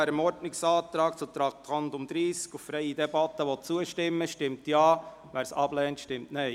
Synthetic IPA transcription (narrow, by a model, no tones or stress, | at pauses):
ɛɾəmɔɾdnɪksɑːt̪ɾɑːk̚t͡sut̪ɾɑt̪ʰɑnd̪ʊmd̪ɾiːskuffɾɛɪid̪ɛbɑt̪ːəʋɔt͡suəʃtɪmːəʃtɪmtjɑː | ʋæːɾsɑ̰b̥lɛːntʃtɪmtnɛɪ